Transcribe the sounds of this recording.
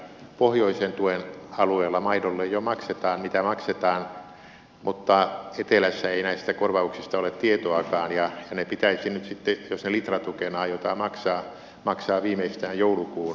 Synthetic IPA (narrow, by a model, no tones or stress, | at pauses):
pohjoisent̪uenɑlueːlːɑmɑinolːejjomɑkset̪ɑːnmit̪æmɑkset̪ɑːn | mut̪ːɑet̪elæsːæeinæist̪ækorʋɑuksist̪ɑolet̪t̪iet̪oɑkɑːnjɑjɑnepit̪æisinyt̪sit̪ːejosnelit̪rɑt̪ukenɑːjot̪ɑmɑksɑː | mɑksɑːʋiːmeist̪æːjjoulukuːn